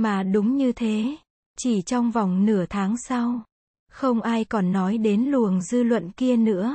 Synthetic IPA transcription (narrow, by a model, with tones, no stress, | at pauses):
maː˨˩ɗʊ˨˦ŋ͡mɲɨ˧t̪ʰe˨˦ | t͡ɕi˧˩t͡ɕɔ˧wŋ͡mva˨˩wŋ͡mnɨ˧˩ət̪ʰaː˨˦ŋsa˧w | xə˧wŋ͡mʔaː˧jkɔ˨˩nːɔ˨˦jɗe˨˦nlu˨˩əŋzɨ˧lwə̰˧˨nki˧ənɨ̰˧˥ə